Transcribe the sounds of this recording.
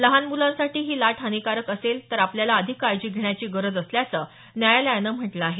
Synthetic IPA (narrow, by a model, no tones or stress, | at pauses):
ləɦanmulãnsaʈiːɦiːlaʈʰɦanikaɾəkəselt̪əɾapljalaəd̪ʱikːaɾd͡ʑiːɡʱeɳ̃jat͡ɕiːɡəɾəd͡zəsljat͡səː | njajaləjanəm̤əʈlaːɦe